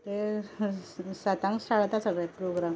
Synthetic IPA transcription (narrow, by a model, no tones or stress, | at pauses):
t̪e | sat̪ãŋɡsʈ̪aɭt̪asəɡɭapɾoɡɾam